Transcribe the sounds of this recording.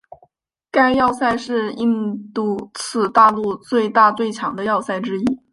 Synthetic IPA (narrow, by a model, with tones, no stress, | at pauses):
ka˥ɪjɑ˥˧ʊsa˥˧ɪʂɻ̩˥˧i˥˧ŋt̪u˥˩t͡sʰɹ̩˥˩t̪a˥˧lu˥˧t͡swe˥˧ɪt̪a˥˧t͡swe˥˩ɪt͡ɕʰjɑ˧˥ŋd̪ə˧jɑ˥˧ʊsa˥˩ɪʈ͡ʂɻ̩˥i˥